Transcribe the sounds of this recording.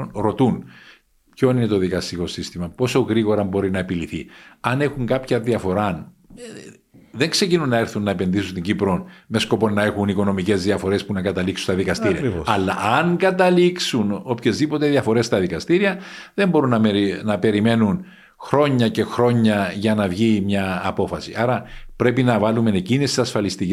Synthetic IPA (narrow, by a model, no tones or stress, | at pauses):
onɾo̞t̪un | pço̞nine̞t̪o̞ðikɐst̪iko̞sist̪imɐpo̞so̞ɣɾiɣo̞ɾɐmbo̞ɾinɐepiliθḭɐne̞xuŋɡɐpçɐðiɐfo̞ɾɐn | ðeŋkse̞cinunːɐeɾθunːɐe̞pe̞nðisunt̪iɲɟipɾo̞nme̞sko̞po̞nːɐe̞xuniko̞no̞mice̞zðiɐfo̞ɾe̞spunɐkɐt̪ɐliksu̥st̪ɐðikɐst̪iɾiɐ̰ɐlːɐ̰ɐŋɡɐt̪ɐliksuno̞pçe̞zðipo̞t̪e̞ðiɐfo̞ɾest̪ɐðikɐst̪iɾiɐ | ðe̞mbo̞ɾunːɐnɐpe̞ɾime̞nun | xɾo̞ɲːɐce̞xɾo̞ɲːɐʝɐnɐvʝimɲɐːpo̞fɐsḭʔɐɾɐpɾe̞pinɐvɐlume̞necinisisɐsfɐlist̪ic